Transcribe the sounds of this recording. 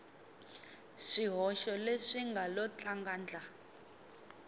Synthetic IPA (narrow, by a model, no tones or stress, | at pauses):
ʂiɦɔʃɔleʂiŋɡʱalɔt͡ɬʰaŋɡaːnd͡ɮʱa